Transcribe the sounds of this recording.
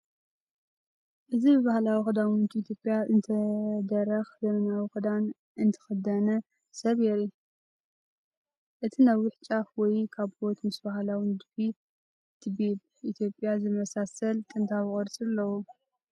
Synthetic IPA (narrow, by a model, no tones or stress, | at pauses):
ʔɨzibɨβahlawixɨd̪awnnt̪ʰʼiit̪ʰjopʼjaʔɨnt̪ʰɐd̪ɐɾɐxzɐmɐnawixɨd̪an | ʔɨnt̪ʰɨ̥xɐd̪ɐnɐ | sɐβjeɾi | ʔɨt̪ʰinawɪħt͡ʃʼafwɔjkʰaβbot̪mɨsbaɦlawnd̪bi | t̪ʰɨbeβ | ʔit̪ʰjo̞pʼːjazɨmɐsasɐlt̪ʼɨnt̪ʰaβɨkʼɐɾt͡sʼlːɐwu